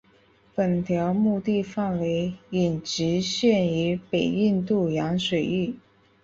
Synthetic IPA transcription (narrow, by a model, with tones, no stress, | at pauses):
pə˨˩nt̪ʰjɑ˧˥ʊmu˥˧t̪i˥˧fa˥˩nwe˧˥ɪi˨˩nʈ͡ʂɻ̩˧˥ɕɥɛ˥˩ny˧˥pe˨˩ɪi˥˧nt̪u˥˩jɑ˧˥ŋʂwe˨˩ɪy˥˩